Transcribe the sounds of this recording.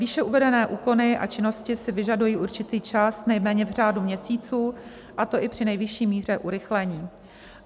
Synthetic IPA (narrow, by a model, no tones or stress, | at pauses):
viʃɛuvɛdɛnɛːʔuːko̞nɪʔa̰t͡ʃɪno̞scɪsɪvɪʒadujiːʔuɾt͡ʃɪt̪iːt͡ʃasnɛjmɛːɲɛvr̝aːdumɲɛsiːt͡suː | ʔat̪o̞ʔɪpr̝̥ɪnɛjvɪʃiːmiːr̝ɛʔuɾɪxlɛɲiː